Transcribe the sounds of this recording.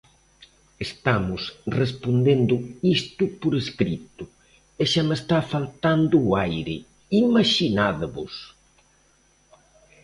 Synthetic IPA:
est̪amʊsrespond̪end̪ʊist̪ʊpoɾeskɾit̪ʊ | eʃamest̪afalt̪and̪ʊːajɾɪ | imaʃinaðaβʊ̰s

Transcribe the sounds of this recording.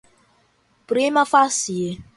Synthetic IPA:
pɾimafasije

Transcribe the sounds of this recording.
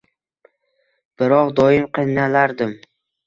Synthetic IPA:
b̥ɪɾɒqd̪ɒɪmqʰɨnalaɾd̪ɪm

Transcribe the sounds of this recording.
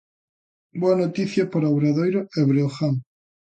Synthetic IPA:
bwanot̪iθjapoɾawɾaðojɾoeβɾeoxaŋ

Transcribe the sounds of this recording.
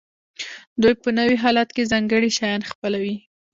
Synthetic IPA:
d̪ujpənəwiɦɑlat̪kezɑŋɡəɽiʃɑjɑnxpəlawi

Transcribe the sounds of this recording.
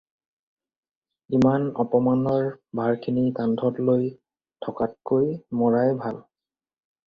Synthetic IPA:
imanɔpɔmanɔɹbʱaɹkʰinikandʱɔtloj | tʰɔkat̚kojmɔɹajbʱal

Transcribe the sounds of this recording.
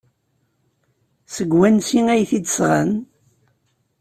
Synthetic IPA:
səɡwænsiŋæjθid̪əsʁɑ̰n

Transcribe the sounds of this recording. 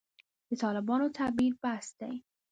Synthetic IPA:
bet̪ʰɒːlebɒːnot̪ʰæbiːlbæst̪ej

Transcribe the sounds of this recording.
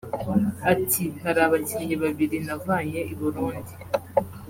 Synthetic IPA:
atʰihaɾaːβaciɲeβaβiɾinavaːɲeʔiβuɾuːndi

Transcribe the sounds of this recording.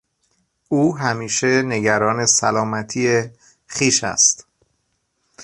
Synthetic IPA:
ʔuːɦæmiːʃe̞ne̞ɟæɾɒːne̞sælɒːmæt̪ʰiːe | xiːʃæ̰st̪

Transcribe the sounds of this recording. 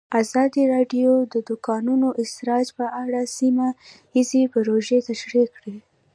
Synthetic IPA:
azɑd̪iɾɑɖjod̪əd̪ʊkɑnunoʔɪst̪ɾɑd͡ʒpəʔaɽasima | izipəɾoʒet̪aʃɾekɽe

